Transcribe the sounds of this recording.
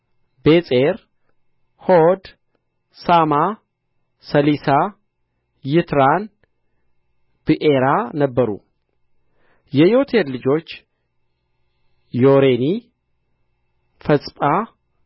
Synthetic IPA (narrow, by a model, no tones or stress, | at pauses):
besʼeɾ | hod̪ | sama | səlisa | jɪt̪ɾan | b̥ɨʔeɾanəbːəɾṵ | jɛjo̞t̪ʰeɾlɨd͡ʒo̞t͡ʃː | joɾeni | fəsʼpʼa